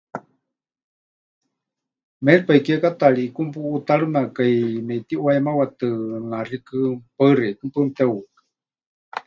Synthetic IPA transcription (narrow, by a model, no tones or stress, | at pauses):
mɛlpaikiekat̪aɺiːkumpuːt̪aɺɨmaʔkajmɛt̪iʔwaɛmawat̪ɨŋarikɨpaɨrekɨmpɨnt̪ɛwukɨ̥